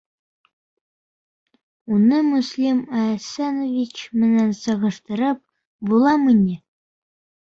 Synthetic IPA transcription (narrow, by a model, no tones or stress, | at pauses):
unɤmuslʲimæsænovʲit͡ɕmɘ̆nænsɤ̆ʁɤ̆ʃt̪ɤ̆ɾɤp̚ | bulˠɑminʲɘ